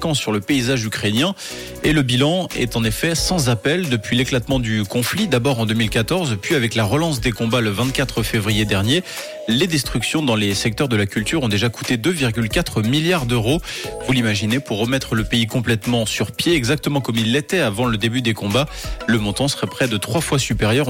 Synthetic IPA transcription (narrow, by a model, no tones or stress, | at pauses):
kɑ̃sːyʁləpeizaʒykχenjɛ̃ | eləbilɑ̃ɛ̰t̪ɑ̃nefɛsɑ̃zapɛld̪əpɥileklat̪mɑ̃d̪ykɔ̃flid̪abɔʁɑ̃d̪ømilkat̪ɔʁzpɥiavɛklaʁəlɑ̃s̬d̪ekɔ̃baləvɛ̃t̪̚kat̪χəfevʁijed̪ɛʁnje | led̪ɛst̪χyksjɔ̃d̪ɑ̃lesɛk̚t̪œʁd̪əlakʲylt̪yʁɔ̃d̪eʒaku̥t̪ed̪øviʁɡʲylkat̪χəmiljaʁd̪øʁovulimaʒinepuʁːəmɛt̪χələpeikɔ̃plɛt̪mɑ̃syʁpjeɛɡzak̚t̪əmɑ̃kɔmilːet̪ɛavɑ̃ləd̪ebyd̪ekɔ̃ba | ləmɔ̃t̪ɑ̃sə̥ʁɛpχɛd̪ət̪χwafwasypeʁjœʁ